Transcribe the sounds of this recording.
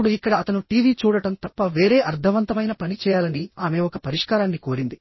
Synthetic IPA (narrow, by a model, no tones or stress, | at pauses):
uɽuikːɐɽɐːt̪ɐnuʈiːʋiːt͡ʃuːɽɐʈɐmt̪ɐpːɐʋe̞ːɾe̞ːʔɐɾd̪ʰʱɐʋɐnt̪ɐmɐjnɐpɐnit͡ʃɛːjaːlɐniaːme̞ːɔkɐpɐɾiʂkaːɾaːnːiko̞ːɾind̪i